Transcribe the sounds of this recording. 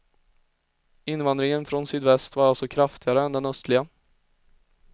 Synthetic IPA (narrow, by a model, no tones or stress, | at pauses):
ɪnvand̪ɾɪŋənfɾɔnsyːd̪vɛst̪vaɾalsɔkʰɾaft̪ɪɡaɾəɛnd̪ɛnœst̪lɪɡa